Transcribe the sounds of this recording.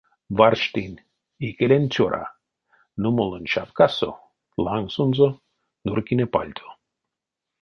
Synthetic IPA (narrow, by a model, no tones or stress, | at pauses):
varʃt̪inʲ | ikelʲenʲt͡ɕoɾʔa̰ | numolˠonʲʃapkaso̰ | lˠaŋɡsunzo | nurkinepa̰lʲt̪ʲʰo̥